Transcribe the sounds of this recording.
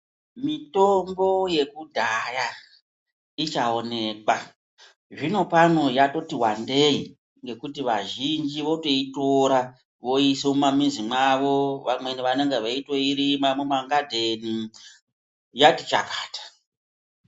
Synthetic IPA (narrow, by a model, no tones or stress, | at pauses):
mitombo̞je̞kudʱaja | it͡ʃao̞ne̞ːkwa | ʐino̞pano̞jato̞tiwande̞i | ŋɡe̞kutiʋaʒind͡ʒiʋo̞to̞itoɾa | ʋo̞isemumamizimwaʋo̞ʋamwe̞niʋaneŋɡeʋaitweiɾimamumaŋɡadʱeni | jatit͡ʃa̰kḁːtḁ